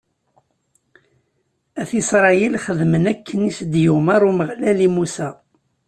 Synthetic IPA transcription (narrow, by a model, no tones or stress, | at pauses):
æθisɾˤɑjilχəðmənækʰːənisd̪jumɑɾˤuməʁlælimusæ